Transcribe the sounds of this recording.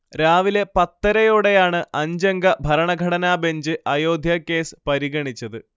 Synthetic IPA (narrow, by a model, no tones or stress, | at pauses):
ɾaːʋile̞pɐt̪ːɐɾɐjoːɽe̞jaːɳɨʔɐɲd͡ʑɐŋɡɐbʱɐɾɐɳɐɡʱɐɽɐnaːbeɲd͡ʑɨɐjo̞ːd̪ʱjɐkːe̞ːsɨ̥pɐɾiɣɐɳit͡ɕːɐðɨ